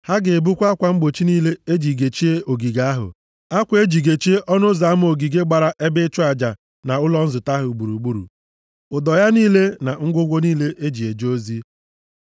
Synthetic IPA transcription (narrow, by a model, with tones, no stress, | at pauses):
ha˦ɡɪ˨bu˦kʷa˦kʷa˨ŋ͡m̩˦ɡ͡bo˨t͡ʃi˦niː˦le˦e˦d͡ʒi˨ɡe˨t͡ʃi˦e˦o˨ɡi˨ɡa˦a˦ɦʊ̰˨ | a˦kʷe˦d͡ʒi˨ɡe˨t͡ʃi˦e˦ʔɔ˦nʊ˦za˨a˦m˦o˨ɡi˨ɡe˦ɡ͡ba˨ɾa˦ʔe˦bɪ˦t͡ʃʊ˦a˨d͡ʒa˨ | na˨ʊ˦lɔ˦n̩˦zʊ˨ta˦ɦʊ˨ɡ͡bu˨ɾu˨ɡ͡bu˦ɾṵ˨ | ʊ˨dɔ˨ja˦niː˦le˦na˨ŋ̩˦ɡʷʊ˦ɡʷo˦niː˦le˦ʔe˦d͡ʒi˨e˨d͡ʒo˦zi˦